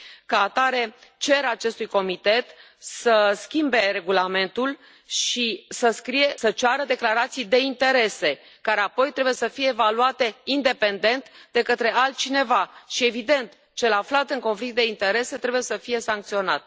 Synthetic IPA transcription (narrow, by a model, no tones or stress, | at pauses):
kaːt̪aɾe̞t͡ʃe̞ɾat͡ʃe̞st̪ujko̞mit̪e̞t̪ | səskʲimbe̞ɾe̞ɡulame̞nt̪ul | ʃisəskɾije̞sət͡ʃaɾəd̪e̞klaɾat̪sijd̪e̞int̪e̞ɾe̞se̞ | kaɾe̞apo̞jt̪ɾe̞bujesəfije̞ːvaluat̪e̞ind̪e̞pe̞nd̪e̞nt̪d̪e̞kət̪ɾe̞alt̪̚t͡ʃine̞vaʃie̞vid̪e̞nt̪ | t͡ʃe̞laflat̪ɨŋko̞nflik̚t̪̚d̪e̞int̪e̞ɾe̞se̞t̪ɾe̞buje̞səfije̞saŋk̚t̪sio̞na̰t̪